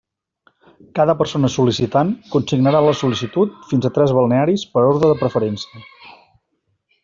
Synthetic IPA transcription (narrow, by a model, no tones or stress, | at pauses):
kaðəpəɾsonəsulisit̪ankunsiɡnəɾaləsulisit̪ut̪̚finzət̪ɾɛzβəlˠneaɾispəɾoɾðɾəðəpɾəfəɾɛnsiə